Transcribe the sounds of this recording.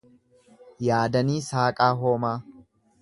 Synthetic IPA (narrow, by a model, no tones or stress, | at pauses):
jaːd̪ɐniːsaːkʼaːɦo̞ːmaː